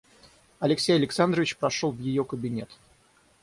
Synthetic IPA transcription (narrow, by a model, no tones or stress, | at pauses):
ɐlʲɪksʲejəlʲɪksand̪ɾəvʲɪt͡ɕpɾɐʂolˠvjɪjokəbʲɪnʲe̞t̪